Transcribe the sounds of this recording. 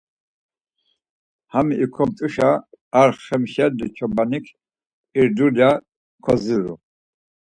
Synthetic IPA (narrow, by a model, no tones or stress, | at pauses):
hamiːkʰɔmt̪ʼuʃaːɾχɛmʃɛɾd̪it͡ʃʰɔbanikʰ | iɾd̪uɾja | kʰɔziɾṵ